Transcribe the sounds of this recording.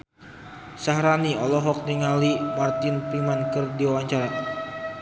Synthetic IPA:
saɦɾaniɔlɔɦɔk̚niŋalimart̪ɪnpɾimankərdiwawaɲt͡ʃaɾa

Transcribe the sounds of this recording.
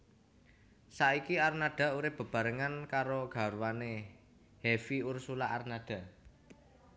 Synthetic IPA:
saikiarnaɖ̥a̤uɾɪpb̥ə̤b̥ä̤ɾəŋankaɾoɡ̥a̤ɾwane | hɛfiursulaʔarnaɖ̥ä̤

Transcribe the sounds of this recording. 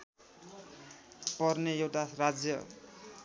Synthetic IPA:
pʌrnejewʈarad͡zjʌ

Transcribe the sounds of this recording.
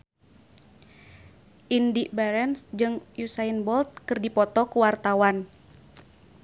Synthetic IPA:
ʔindiʔbaɾɛnsd͡ʒɨŋjusainbɔlt̪̚kɨrdipɔt̪ɔkuwart̪awan

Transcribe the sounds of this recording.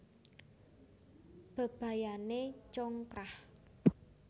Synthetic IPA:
b̥ə̤b̥a̤janet͡ʃɔŋkɾah

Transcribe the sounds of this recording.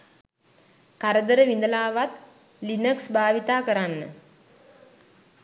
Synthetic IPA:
kaɾəd̪əɾəʋind̪əlaːʋat̪ | linəksbaːʋit̪aːkəɾanːə̰

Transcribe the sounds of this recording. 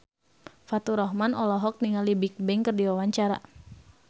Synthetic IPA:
fat̪uɾɔɦmanɔlɔɦɔk̚niŋalibik̚bɛŋkərdiwawaɲt͡ʃaɾa̰

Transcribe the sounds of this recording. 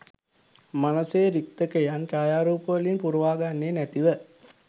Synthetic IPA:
manəsejɾik̚t̪əkəjanʈaːjaːɾuːpəʋəlinpuɾuʋaːɡanːeːnæt̪iʋə

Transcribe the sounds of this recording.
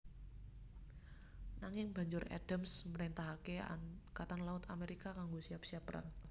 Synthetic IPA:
naŋɪŋba̤ɲd͡ʒʊɾa̰d̥ə̤msməɾint̪aɦakea̰kat̪anlaʊt̪ameɾikakaŋɡosiap̚siapːəɾa̰ŋ

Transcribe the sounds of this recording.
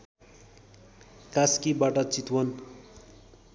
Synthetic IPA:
kaskibaʈʌt͡sit̪wʌn

